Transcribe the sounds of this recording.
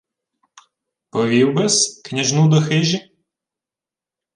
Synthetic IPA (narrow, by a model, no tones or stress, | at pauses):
pɔʋʲiwbɛsknʲɐʒnud̪ɔxɪʒʲi